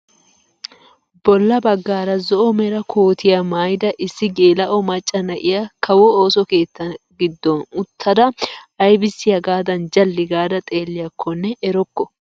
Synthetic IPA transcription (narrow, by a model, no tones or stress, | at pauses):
b̥ɔlːɐbɐɡːaːɾɐzɔʔɔmɛɾɐkʰoːt̪ʰɪjɐmaːjd̪ɐʔɪsːɪɡe̞ːlɐʔɔmɐt͡ʃʼːɐnɐʔɪjɐkʰɐwɔoːsɔke̞ːt̪ːɐɡɪd̪ːɔnʊt̪ʰːɐd̪ɐɐjbɪsːɪjɐɡaːd̪ɐnd͡ʒɐlːɪɡaːd̪ɐt̪ʼe̞ːlːɪjɐkʰːɔnːɛʔɛɾɔkːɔ